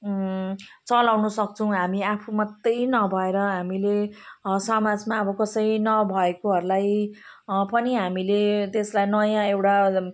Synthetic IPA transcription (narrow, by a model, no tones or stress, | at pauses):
t͡sʌlawnʌsʌk̚t͡sʰʌw̃ɦamiapʰumat̪ːʌjnʌbʱʌeɾʌɦamilesʌmad͡zmaʌbʌkʌsʌjnʌbʱʌekoɦʌɾulaj | pʌniɦamilet̪eslajnʌjãewʈa